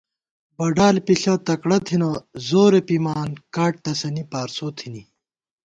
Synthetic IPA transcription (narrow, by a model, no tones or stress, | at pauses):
bɐɖaːlpiɬɐt̪ɐkɽɐt̪ʰinɐzoːɾepimaːnkaːʈ̚t̪ɐsɐnipaːɾsoːt̪ʰini